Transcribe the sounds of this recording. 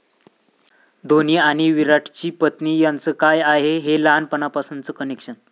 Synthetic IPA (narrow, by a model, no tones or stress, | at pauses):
d̪ʱoniaɽ̃iʋiɾaʈʰt͡ɕiːpət̪niːjant͡səːkajaɦeɦelanpənapasənt͡səkənekʂən